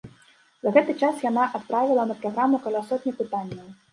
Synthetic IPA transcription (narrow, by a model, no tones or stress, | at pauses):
zɐɣɛt̪ɨt͡ʂasjanaʔat̪pɾavʲilˠɐnɐpɾaɣɾamukalʲasɔt̪ʲnʲɐpɨt̪anʲːɐw